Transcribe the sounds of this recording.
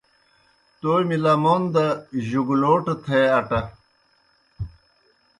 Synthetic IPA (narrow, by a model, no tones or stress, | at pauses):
t̪oːjmilamoːnd̪ɐʑuɡuloːʈɐt̪ʰeɐʈɐ